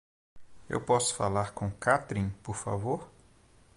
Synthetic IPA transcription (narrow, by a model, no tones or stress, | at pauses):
ḛwpɔsʊ̥fa̰laɾkõkat̪ɾĩpoɾfa̰voɾ